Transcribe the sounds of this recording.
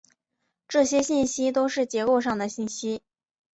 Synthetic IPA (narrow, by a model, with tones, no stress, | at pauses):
ʈ͡ʂɤ˥˩ɕjɛ˥ɕi˥˩nɕi˥t̪o˥ʊʂɻ̩˥˩t͡ɕjɛ˧˥ko˥˧ʊʂ̬ɑ˥˩ŋd̪ə˩ɕi˥˩nɕi˥